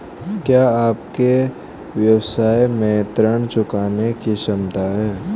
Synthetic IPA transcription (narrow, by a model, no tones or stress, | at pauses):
kjaːaːpke | ʋjəwsaːjmɛːt̪ɾəñt͡ʃʊkaːnekiʃɐmt̪aɦɛː